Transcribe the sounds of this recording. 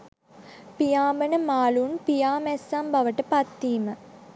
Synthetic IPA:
pijaːmənəmaːlunpijaːmɛsːambɐʋəʈəpat̪ːiːmə

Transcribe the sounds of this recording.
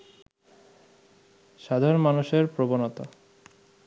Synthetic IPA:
ʃad̪ʱaɾonmanuʃeɾpɾobonot̪a

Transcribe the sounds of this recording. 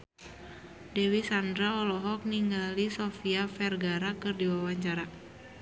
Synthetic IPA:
dɛwisandɾaɔlɔɦɔk̚niŋɡalisofiafɛrɡaɾakɨrdiwawaɲt͡ʃaɾa

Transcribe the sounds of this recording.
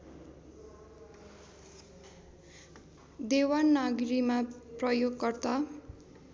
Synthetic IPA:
d̪ewanːaɡɾimaprʌjoɡkʌrt̪a

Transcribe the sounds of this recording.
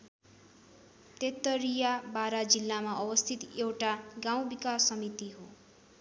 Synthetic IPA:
t̪et̪ːʌɾijabaɾad͡zilːamaʔʌbʌst̪ʰit̪ewʈaɡaw̃bikasːʌmit̪iɦo

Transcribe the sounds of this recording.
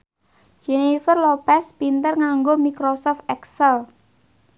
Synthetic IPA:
d͡ʒenifərlopɛspint̪ərŋaŋɡomikɾosɔft̪̚ɛksəl

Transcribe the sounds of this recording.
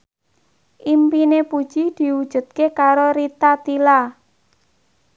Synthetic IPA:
ʔimpinepud̥ʒ̥id̪̥i̤wud̥ʒ̥ṳt̪̚kekaɾoɾit̪at̪ila

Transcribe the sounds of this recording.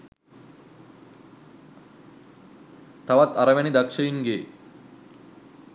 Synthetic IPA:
t̪ɐʋɐt̪ɐɾɐʋɐnid̪ɐkʂɐjiŋɡeː

